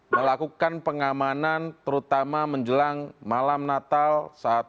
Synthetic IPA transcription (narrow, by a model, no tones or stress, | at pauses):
məlakukanpəŋamanant̪əɾut̪amaməɲd͡ʒəlaŋmalamnat̪alsaːt̪̚